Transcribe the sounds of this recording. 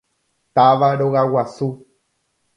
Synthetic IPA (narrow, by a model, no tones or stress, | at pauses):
t̪aʋaɾoɣawasu